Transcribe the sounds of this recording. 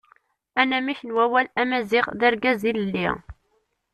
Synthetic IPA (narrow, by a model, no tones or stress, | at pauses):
ænæmiçənwæwælæmæziʁðəɾɡæziləlːi